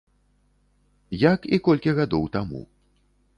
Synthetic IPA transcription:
jakikɔlʲkʲiɣad̪ɔwt̪amṵ

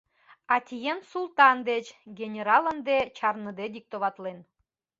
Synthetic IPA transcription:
ɑt̪ʲijensulˠt̪ɑnd̪et͡ɕɡʲenʲeɾɑlə̆nd̪et͡ɕɑrnə̆d̪ed̪ik̚t̪oβɑt̪len

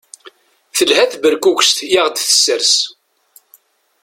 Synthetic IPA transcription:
θəlhæθbəɾkukʷst̪jaʁd̪θə̥sːəɾs

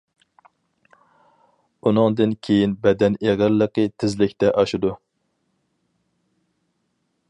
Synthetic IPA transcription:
unɨŋd̪ɨnkʲʰejinbɛd̪ɛneʁɪɾlːəqɨt̪ʰɪzlɪkʲt̪ɛʔɑʃud̪u

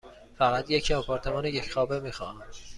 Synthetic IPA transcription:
fæɣæt̪jecʰiɒpʰɒːɾt̪ʰemɒːnejecʰxɒːbemiːxɒ̰ːn

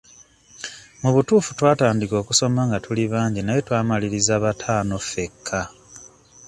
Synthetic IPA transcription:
muβutuːfu̥twaːtaːndiko̞ːkuso̞maŋɡatuliβaːɲɟinaje̞twaːmaliɾizaːβatʰaːno̞fe̞kʰːa

